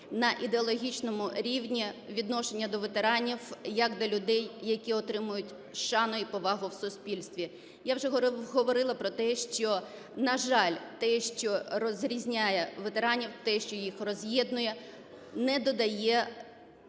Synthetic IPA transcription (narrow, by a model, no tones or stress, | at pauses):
nɐʔid̪eɔlˠɔɦʲit͡ʃnɔmʊɾʲiwnʲiʋʲid̪nɔʃenʲːɐd̪ɔʋet̪eɾɑnʲiwjɐkd̪ɔlʲʊd̪ɛjːɐkʲiɔt̪ɾɪmʊjʊtʲ | ʃɑnʊipɔʋɑɦʊwsʊspʲilʲst̪ʋʲi | jawʒɛɦɦɔʋɔɾɪlˠɐpɾɔt̪ɛʃt͡ʃɔ | nɐʒɑlʲt̪ɛʃt͡ʃɔrɔzɾʲizʲnʲajɛʋet̪eɾɑnʲiwt̪ɛʃt͡ʃɔjixrɔzʲjɛd̪nʊjɛ | nɛd̪ɔd̪ɐjɛ